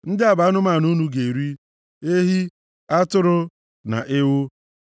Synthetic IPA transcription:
n̩˦dɪ˦a˨ba˨˦nʊ˦ma˨nu˦nu˦ɡe˨ɾi˦ | e˦ɦi˦ | a˦tʊ˦ɾʊ˦ | na̰˨ʔɪ˦wʊ˦

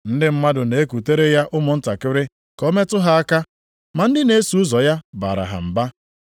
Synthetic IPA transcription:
n̩˦dɪ˦m̩˦ma˦dʊ˨ne˨e˦ku˨te˦ɾe˦ja˦ʔʊ˦mʊ˨n̩˦ta˨kɪ˦ɾɪ˦ | kɔ˦me˦tʊ˦ɦa˦a˦ka˦ | ma˨n̩˦dɪ˦ne˦e˦su˨ʊ˦zɔ˨ja˦ba̰ː˨ɾa̰˨ɦa̰˨m̩˨ba˦

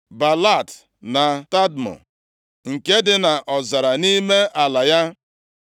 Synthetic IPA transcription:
ba˨la˦˨t | na˨ta˦dmɔ̰˨ | ŋ̩˨ke˦dɪ˦na˨ʔɔ˨za˨ɾa˨ni˦me˦ʔa˨la˨ja˦

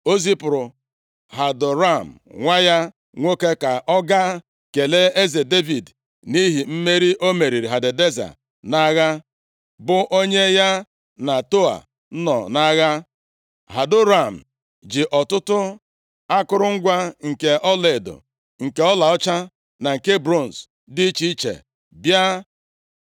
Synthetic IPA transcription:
o˦zi˦pʊ˨ɾʊ˨ | ɦa˨dʊ˨ɾa˦˨m̩˨ŋʷa˦ja˦ | ŋʷo˦ke˦ka˨ʔɔ˦ɡa˦ | ke˨le˦e˦ze˨de˦vi˨d | ni˦ɦi˨m̩˦me˦ɾi˦ʔo˦me˨ɾi˨ɾi˨ɦa˨de˨de˦za̰˨ | na˦ɣa˦ | bʊ˦ʔo˦ɲe˦ja˦ | na˨to˦a̰˨ | n̩˦nɔ̰˨na˦ɣa˦ | ɦa˨dʊ˦ɾa˨m̩˨ | d͡ʒɪ˨ʔɔ˨tʊ˦tʊ˦ | a˦kʊ˦ɾʊ˦ŋ̩˦ɡʷa˦ŋ̩˨ke˨ʔɔ˦le˨do̰˨ | ŋ̩˨ke˦ɔ˦la˨ɔ˦t͡ʃa˦ | na˨ŋ̩˨ke˦bɾo˦˨n̩˨s | di˦t͡ʃi˦t͡ʃḛ˨ | bja˦

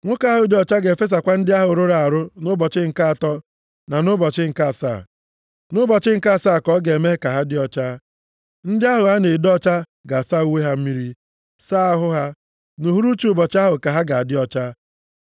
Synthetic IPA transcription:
ŋʷʊ˦ka˦ɦʊ˨dɪ˦ɔ˦t͡ʃa˦ɡe˨fe˦s̬a˨kʷa˦n̩˦dɪ˦a˦ɦʊ˨ɾʊ˦ɾa˨a˨ɾʊ˦nʊ˦bɔ˨t͡ʃɪ˦ŋ̩˨ka˦˨tɔ˦ | na˨nʊ˦bɔ˨t͡ʃɪ˦ŋ̩˨ka˦˨sa̰˦˨ | nʊ˦bɔ˨t͡ʃɪ˦ŋ̩˦ka˦˨saː˦˨kɔ˨˦ɡe˨me˦ka˨ɦa˦dɪ˦ɔ˦t͡ʃa˦ | n̩˦dɪ˦a˦ɦʊ˨ɦa˦ne˨dɔ˦t͡ʃa˦ | ɡa˨sa˦˨u˦we˦ɦa˦m̩˦mi˦ɾi˦ | sa˦a˦ɦʊ˦ɦa˦ | nu˨ɦu˦ɾu˦t͡ʃu˨bɔ˨t͡ʃa˦ɦʊ˨ka˨ɦa˦ɡa˨a˨dɪ˦ɔ˦t͡ʃa˦

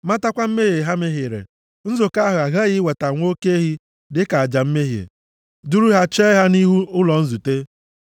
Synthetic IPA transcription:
ma˦ta˦kʷa˦m̩˦me˦ɦje˨ɦa˦me˦ɦi˨ɾḛ˨ | n̩˦zʊ˨ka˦ɦʊ˨a˨ɦa˦ɣɪ˦we˨ta˨ŋʷo˦ke˦ɦi˦ | dɪ˦ka˨a˨d͡ʒa˨m̩˦me˦ɦjḛ˨ | du˦ɾu˦ɦa˦t͡ʃɛː˦ɦa˦ni˦ɦu˦ʊ˦lɔ˨n̩˦zu˨te˦

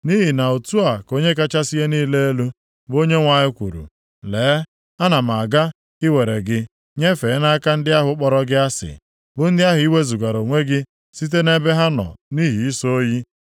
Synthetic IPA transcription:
ni˦ɦi˨na˨o˨tu˦a˨ko˦ɲe˦ka˦t͡ʃa˦si˦e˦niː˦le˦e˦lu˦ | bo˦ɲe˦ŋʷa˨ɲɪ˦kʷṵ˨ɾṵ˨ | leː˨˦ | a˦na˨m˨a˨ɡa˦ | ɪ˦we˨ɾe˨ɡɪ˦ | ɲe˦fe˨˦na˦ka˦n̩˦dɪ˦a˦ɦʊ˨˦k͡pɔ˦ɾɔ˦ɡɪ˦a˦sɪ̰˨ | bʊ˦n̩˦dɪ˦a˦ɦʊ˨i˦we˦zu˨ɡa˨ɾo˨ŋʷe˦ɡɪ˦ | si˦t̬e˦ne˦be˦ɦa˦nɔ̰˨ni˦ɦi˨i˦so˦o˦ji˦

